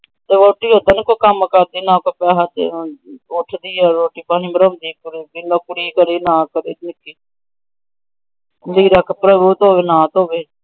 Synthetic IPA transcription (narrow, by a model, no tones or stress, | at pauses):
t̪eːʋoːʈiːɦoːd̪ənkokəmkəɾd̪iːnãːkoːpɛːɦət̪ḛʊʈʰd̪iːɛɾoːʈiːpaːɦĩːmbəɾõːnd̪iːkʊɾiːbinoːkʊɽiːkəɾiːnãːkəɾḛːt̪nɪkːiː | d̪iːɾəkpɾəbuːt̪ɦoːʋeːnãːt̪oːʋeː